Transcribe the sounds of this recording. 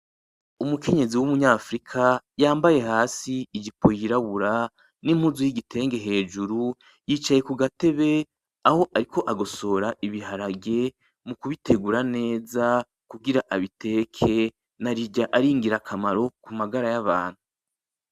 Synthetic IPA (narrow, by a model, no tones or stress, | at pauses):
umukʰe̞ɲe̞ziwumuɲaːfɾikʰajaːmbaje̞haːsiːɟipo̞jiɾaβuɾa | nimhuzujiɡitʰe̞ːŋɡe̞ɦe̞ːd͡ʒuɾu | jiːt͡ʃaje̞kuɡate̞βe̞ | ahoʔaɾikʰo̞ʔaɡo̞so̞ɾaʔiβiɦaɾaɡe̞ | mukuβitʰe̞ɡuɾane̞ːza | kuɡiɾaʔaβitʰe̞kʰe̞ | naɾiɟaʔaɾiːŋɡiɾakʰamaɾo̞kumaɡaɾajaβa̰ːn̥hu